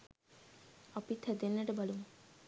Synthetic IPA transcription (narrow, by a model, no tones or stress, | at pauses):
ɔpit̪ʰːad̪enːəʈəbaluŋ